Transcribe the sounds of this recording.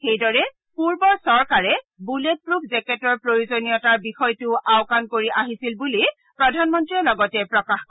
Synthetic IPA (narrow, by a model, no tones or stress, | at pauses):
xejdɔɹɛ | puɹbɔɹsɔɹkaɹɛ | bulet̚pɹupʰzɛkɛtɔɹpɹojuzonijɔtaɹbixɔjtʊʔaʊkankoɹiʔaɦisilbuli | pɹɔdʱanmɔntɹiɔlɔɡɔtɛpɹɔkaxkɔ